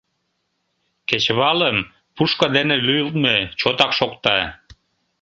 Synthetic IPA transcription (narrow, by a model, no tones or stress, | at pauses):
ket͡ɕβɑləm | puʃkɑd̪enelyjəlt̪̚met͡ɕot̪ɑkʃokt̪ɑ